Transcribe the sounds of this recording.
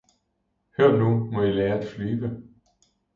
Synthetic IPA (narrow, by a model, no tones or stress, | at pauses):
heɐ̰numɒ̽ileːɐæd̥flyːʋə